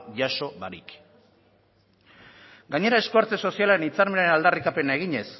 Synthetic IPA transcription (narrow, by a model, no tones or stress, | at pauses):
ʝaso̞βaɾḭk | ɡaɲe̞ɾae̞skoaɾt͡se̞so̞sialaɾe̞nit͡saɾmenaɾenald̪arikape̞nae̞ɣ̞iɲe̞s